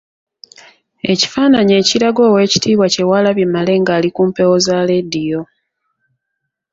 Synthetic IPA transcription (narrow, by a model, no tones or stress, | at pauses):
e̞ci̥faːnaɲe̞ːciɾaɡo̞ːwe̞ːci̥tʰiːβwace̞walaβjemale̞ŋɡaːlikuːmpe̞wozale̞dijo̞